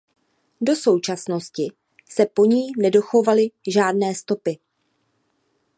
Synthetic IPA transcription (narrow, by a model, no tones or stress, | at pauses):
do̞so̞wt͡ʃasno̞scɪ | sɛpo̞ɲiːnɛdo̞xo̞valɪʒaːdnɛːst̪o̞pɪ